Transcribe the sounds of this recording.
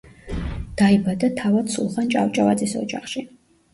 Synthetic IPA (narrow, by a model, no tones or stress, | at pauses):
d̪̥aibad̪at̪ʰavad̪sṵlˠχant͡ʃʼa̰vt͡ʃʼavat̪zʼisɔ̰d͡ʒaχʃi